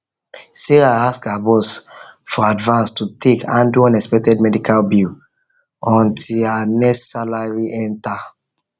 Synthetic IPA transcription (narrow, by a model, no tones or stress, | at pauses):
seɹaaskabɔsfɔadvãnstutʰekãnduãnɛkspɛk̚tɛd̚mɛdikʰalbil | ɔ̃ntʰilanɛssalaɹiʔɛ̃nta